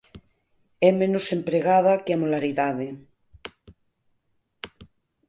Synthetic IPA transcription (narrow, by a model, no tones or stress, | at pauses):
ɛmẽnosempɾeɣaðakeamolaɾiðaðe